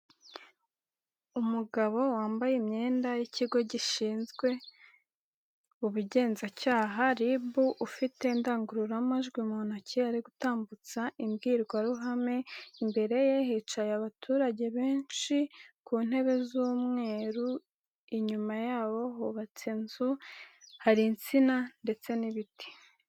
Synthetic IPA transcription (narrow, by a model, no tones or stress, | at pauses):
umuɡaβo̞waːmbajemɲe̞ːndajiciɡo̞ɟiʃiːnzɡwe̞ | uβuɟe̞ːnzacaːɦaɾibuʔufite̞ndaːŋɡuɾuɾamaʒɡwimun̥acʰiaɾiɡutaːmbut͡saʔimɡiːɾɡwaɾuɦame̞imbe̞ɾe̞jehiːt͡ʃajaβatʰuːɾaɟe̞βe̞ːnʃikuːn̥he̞βe̞zuːmŋe̞ːɾu | iɲumajaːβo̞ɦoβat͡sinzuhaɾint͡sinande̞t͡se̞niβiti̥